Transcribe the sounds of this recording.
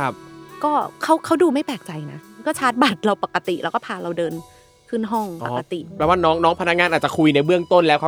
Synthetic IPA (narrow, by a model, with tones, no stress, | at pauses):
a˦˧˩p̚kɔː˥˩kʰa˦˥wkʰa˦˥wduː˧ma˥˩pɛː˨˩k̚t͡ɕa˧jna˦˥kɔː˥˩t͡ɕʰaː˦˥t̪̚ba˨˩t̪̚ɾa˧wpa˨˩kːa˧t̪i˨˩ʔɾɛ̰˦wkɔː˥˩pʰaː˧˩ɾa˧wdɤː˧n | kʰɯː˥˩nɦɔ˥˩ŋpa˨˧˩ka˧t̪i˨˩ɾɛː˦˥waː˥˩nɔː˦˥ŋnɔː˦˥ŋpʰa˧na˦˥k̚ŋaː˧nʔaː˨˩t̚t͡ɕa˨˩kʰu˧jna˧jbɯ˥˩əŋt̪o˥˩nlɛ˦˥kʰa˧